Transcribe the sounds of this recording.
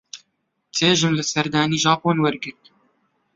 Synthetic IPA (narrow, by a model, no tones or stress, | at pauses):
t͡sʰeːʒɨmlɨsɛɾd̪aːniːʒɑːpoːnwɛɾɡɪɾt̪